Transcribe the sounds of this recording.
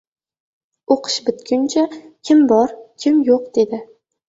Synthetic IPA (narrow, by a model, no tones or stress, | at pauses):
oqʰɨ̥ʃbɪt̪kʲʊnt͡ʃʰakʲʰɪmbɒɾkʲʰɪmjoq̚d̪̥e̞d̪ɪ